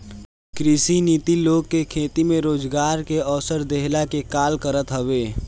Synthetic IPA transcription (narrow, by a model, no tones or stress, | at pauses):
kɾɪsiniːt̪iloːɡ̚kekʰeːt̪imẽɾoːd͡ʒɡaːɾkeɔːsəɾd̪eɦlakekaːlkəɾət̪ɦɐʋeː